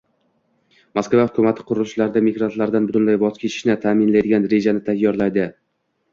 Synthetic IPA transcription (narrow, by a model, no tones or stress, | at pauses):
maskvahʊkʰʲʊmat̪ʰɪ̥qʰʊɾʊlt͡ʃʰlaɾd̪amiɡɾant̪laɾd̪anbʊt̪ʰʊnlajbɒz̥kʰʲe̞t͡ʃʰɪ̥ʃnɪt̪ʰaːmɪnlajd̪ɪɡʲanɾe̞d͡ʒanɪt̪ʰajːɒɾlˠajd̪ɪ